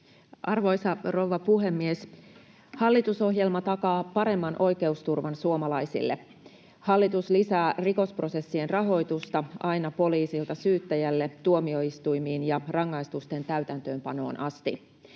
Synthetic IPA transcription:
ʔɑrʋo̞jsɑro̞wʋːɑpuɦemːies | hɑlːit̪uso̞ɦje̞lmɑt̪ɑkɑːpɑɾe̞mːɑnʔo̞jke̞ust̪urʋɑnsuomɑlɑjsḭlːḛ | hɑlːit̪uslisæːriko̞spro̞se̞sːie̞nrɑɦo̞jt̪ust̪ɑʔɑinɑpo̞liːsilt̪ɑsyːt̪ːæjælːet̪uomio̞ist̪ujmiːnjɑrɑŋːɑist̪ust̪e̞nt̪æɥt̪ænt̪ø̞ːmpɑno̞̰ːnɑst̪i

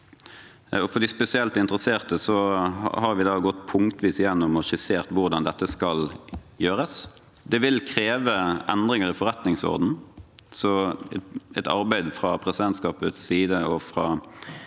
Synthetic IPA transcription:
ɔfɔɖ̪ɪspɛsɪɛlt̪ɪnt̪ɾəseːʁt̪əsɔ̰hɑɾʋɪd̪ɑːɡɔt̪ːpʰʊŋkt̪ʋiːsjɛnːʊmɔʃɪseːʁt̪ʋʊʁd̪ɑnd̪ɛt̪ːəskɑljøːɾəs | d̪ɛʋɪlkʰɾeːʋəʔɛnd̪ʁɪŋəɾɪfɔɾɛt̪nɪŋsɔ̰ʁd̪n̩sɔ | ɛt̪ɑ̰ɾbæɪd̪fʁɑpʰɾɛsɪd̪ɛnt̪skɑːpʉ̰t̪siːd̪əɔfɾɑː

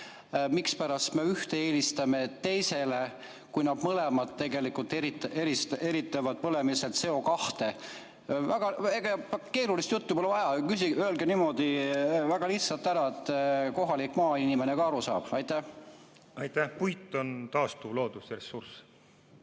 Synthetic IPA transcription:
mikspæɾɑst̪me̞yht̪eeːlist̪ɑme̞t̪e̞jse̞le̞ | kujnɑb̥̪mɤle̞mɑt̪tːe̞ɡe̞likult̪ːˑeɾit̪eɾist̪e̞ɾit̪ːˑevɑd̪̥̚pɤle̞miset̪se̞o̞kɑht̪e̞ | væɡ̥ɑeɡ̥ɑke̞ːɾulist̪jut̪ːupolevɑjɑkysiøːlɡenimo̞d̪̥ivæɡ̥ɑliht̪sɑlt̪ːæɾɑet̪ːˑko̞ɦɑlikːˑmɑːinimene̞kɑɑɾusɑ̰ːb̥ɑjt̪ːˑæh | ɑjt̪æhpujt̪ːˑo̞nt̪ɑːst̪ulo̞ːd̪usɾesːurs

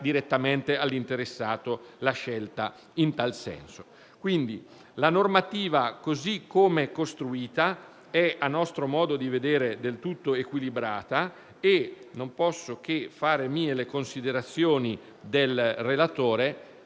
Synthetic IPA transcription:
d̪iɾet̪ːament̪ealːint̪eɾesːaːt̪olaʃɛlt̪a | int̪alsɛ̰nso̥ | kwind̪i | lanormat̪iːvakozikʰːomekost̪ɾuiːt̪a | ɛanːɔst̪ɾomɔːd̪od̪ived̪eːɾed̪elt̪ut̪ːoekwilibɾaːt̪a | enompɔsːok̟efaːɾemiːelekonsid̪eɾat̪sːjoːni | d̪elrelat̪oːɾe

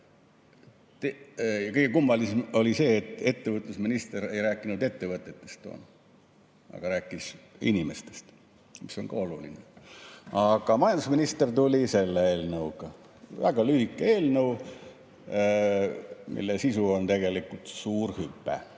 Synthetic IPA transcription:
t̪ejɑkɤjɡ̥ekumːɑliso̞lʲise̞ːt̪ːˑe̞t̪ːe̞vət̪ˑlusminist̪eɾe̞jɾæːkːˑinud̪̥e̞t̪ːevɤt̪ːˑet̪ːˑe̞st̪o̰ːn | ɑ̰ɡ̥ɑɾæːkːˑisḭnʲimest̪e̥st̪ | miso̞̰ŋkɑoluline | ɑɡ̥ɑmɑjɑnd̪usminist̪ert̪ulʲise̞lːeeːlnɤuɡɑ | væ̰ɡ̥ɑlyhikːˑee̞ːlnəw | mḭlːesisuo̞nt̪e̞ɡe̞likult̪suːrhypˑːḛ

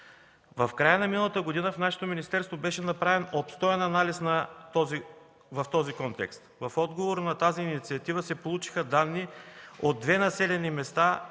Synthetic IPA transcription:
vɐfkɾajənɐminəlˠət̪əɡod̪inəfnaʃɛ̥t̪ominist̪ɛɾst̪vobɛʃɛnɐpɾavɛnopst̪ɔɛnɐnalisnɐt̪ɔzi | vɐft̪ɔzikɔnt̪ɛ̰kst̪vɐfɔd̪ɡovoɾnɐt̪aziːnit̪siɐt̪ivəsɛpolˠut͡ʃi̥xəd̪anːiod̪ːvɛnɐsɛlɛnimɛst̪a

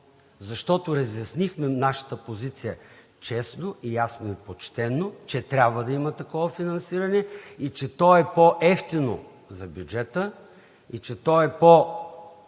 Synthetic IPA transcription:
zɐʃt̪ɔt̪oɾɐzjɐsnixmɛnaʃɐ̥t̪əpozit̪sijə | t͡ʃɛsnoʔijasnoipot͡ʃt̪ɛnːot͡ʃɛt̪ɾʲabvəd̪ɐimɐt̪ɐkɔvɐfinɐnsiɾɐnɛit͡ʃɛt̪ɔɛpoʔɛft̪ino̰ | zɐbʲjud͡ʒɛt̪ə | it͡ʃɛt̪ɔɛpo

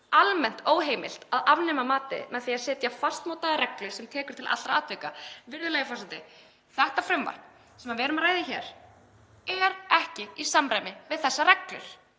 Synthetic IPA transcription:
almɛn̥t̪oːwɦeːjmɪ̰l̥t̪aðavnɛːmamaːt̪ɪ̰mɛðθiaðsɛːt̪jafast̪mawt̪aðɾɛklʏɾ̥sɛmt̪ʰɛːkʏɾ̥t̪ʰɪla̰t̪ɾaaːt̪veːjkavɪɾðʏlɛɣfɔrsant̪ɪ | θɛht̪afɾʏmva̰ht̪n | sɛmavɛːɾʏmaɾaːjðɪçɛːɾ̥ | ɛɾɛhcɪisamɾajmɪvɪðθɛsːaɾɛklʏ̰ɾ̥

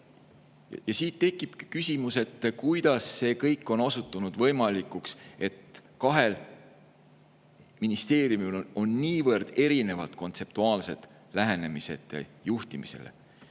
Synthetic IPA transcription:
jɑsiːt̪ːe̞kˑːib̥kysʲimuse̞t̪ːkujd̪ɑsːe̞ːkɤjkːˑo̞no̞sut̪ːˑunud̪̥vɤ̞jmɑlikːˑukse̞t̪kɑɦe̞l | minist̪e̞ːɾjumulo̞nːiːvɤrd̪̥e̞ɾine̞vɑ̰t̪ko̞nt̪se̞p̚t̪uɑːlse̞d̪ | læɦe̞ne̞mise̞̰t̪ːˑḛjuht̪imise̞̰le̞̰

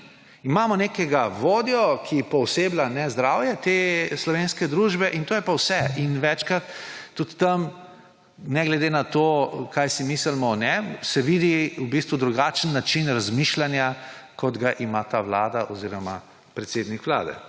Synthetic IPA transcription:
imamɔnekɛɡaʋoːd̪jɔkʰipɔwseblanɛzd̪ɾaːwjɛt̪eslɔʋeːnskɛd̪ɾuʒbɛʔint̪oːjɛpawsɛinʋɛt͡ʃkɾat̪ːut̪ːɐm | nɛɡlɛd̪enat̪oːkajsimisəlmɔnɛmsɛʋid̪iwbist̪ʋud̪ɾuɡaːt͡ʃənːat͡ʃinɾazmiʃlanjakɔd̪ɡaʔimat̪aʋlaːd̪aʔɔziɾɔma̰ | pɾɛt̪seːd̪nikʋla̰ːd̪ɛ̰

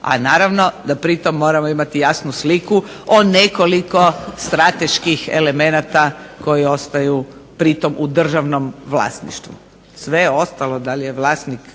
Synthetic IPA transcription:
a̰naːɾaʋno̞d̪apɾit̪o̞mːo̞ːɾamoimat̪ijasnusliku | one̞ko̞liko̞st̪ɾat̪e̞ʃkixḛle̞me̞nat̪ako̞jio̞st̪ajupɾit̪o̞mʔud̪r̩ʒaʋno̞mʋlˠa̰st̪nḭʃt̪ʋṵ | sʋe̞jeo̞st̪alo̞d̪alijeʋlˠaːst̪nik

